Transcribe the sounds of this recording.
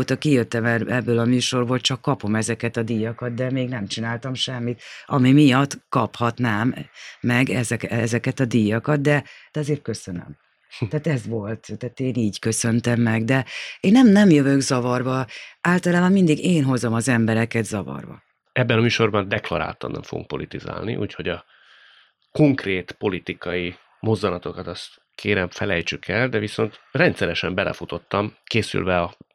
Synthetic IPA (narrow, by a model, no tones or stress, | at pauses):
oːt̪ɒkijøt̪ːɛmɛɛbːøːlɒmyːʃo̞rboːlt͡ʃɒkːɒpo̞mɛzɛkɛt̪ɒd̪ijɒkɒt̪̚d̪ɛmeːɡnɛmt͡ʃinaːlt̪ɒmʃɛmːit̪ɒmimijɒt̪ːkɒphɒt̪naːmːɛɡɛzɛkɛzɛkɛt̪ɒd̪ijɒkɒt̪̚d̪ɛd̪̥ɛɒzeːrt̪̚kø̞sø̞nø̰m | t̪aːt̪ɛzʋo̞lt̪t̪aːt̪eːniːɟkø̞sø̞nt̪ɛmːɛɡd̪ɛeːnːɛmnɛmjøvøɡzɒvɒrvɒʔaːlt̪ɒlaːbɒmmind̪iɡeːnɦo̞zo̞mɒzɛmbɛɾɛkɛd̪zɒvɒ̰rvɒ̰ | ɛbːɛnɒmyːʃo̞rbɒnd̪ɛklɒɾa̰ːt̪ɒ̰nːɛ̰ɱfoɡṵŋk̚po̞lit̪iza̰ːlnḭʔṵːcho̞ɟɒ | ko̞ŋkreːt̪po̞lit̪ikɒji | mo̞zːɒnɒt̪o̞kɒt̪ɒst̪ | kʰeːɾɛɱfɛlɛjt͡ʃykʰɛld̪ɛviso̞nt̪rɛnt̪sɛɾɛʃɛmbɛlɛ̰fut̪o̞t̪ːɒmkeːsy̰lvɛɒ